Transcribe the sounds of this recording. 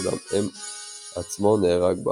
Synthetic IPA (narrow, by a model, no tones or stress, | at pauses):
d̪a̰mɛm | at͡smɔnɛʁaɡ̚ba̰